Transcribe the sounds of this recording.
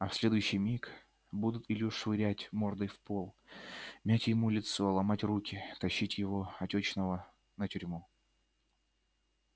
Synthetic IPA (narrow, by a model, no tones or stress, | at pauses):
ɐfsʲlʲed̪ʊjʉɕːɪjmʲik | bud̪ʊt̪ilʲɪʊʂvɨɾʲætʲmord̪ɨjfpolˠmʲætʲjɪmulʲɪt̪so̞lˠɐmatʲrukʲɪt̪ɐɕːitʲjɪvo̞ɐtʲot͡ɕnəvə | nətʲyɾʲmu